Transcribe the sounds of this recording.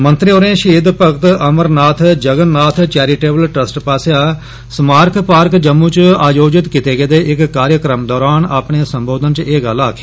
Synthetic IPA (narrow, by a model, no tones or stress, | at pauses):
mənt̪ɾɪoːɾẽːʃiːd̪pəkt̪əməɾnaːt̪ʰd͡ʒəɡənnaːt̪ʰt͡ʃɛːɾiːʈeːbəlʈɾəsʈpaːsjaː | smaːɾkʰpaːɾkd͡ʒəmːũːt͡ʃaːjoːd͡ʒɪt̪kɪt̪eːɡeːd̪eːʔɪkːaːɾjəkɾəmd̪ɔːɾaːnaːpɳeːsəmboːd̪ənt͡ʃeːɡəlaːkʰeː